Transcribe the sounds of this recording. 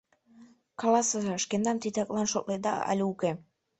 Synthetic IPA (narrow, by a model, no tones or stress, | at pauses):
kɑlɑsəzʃkend̪ɑmt̪it̪ʲɑklɑnʃok̪̚led̪ɑ̰ɑ̰lʲuke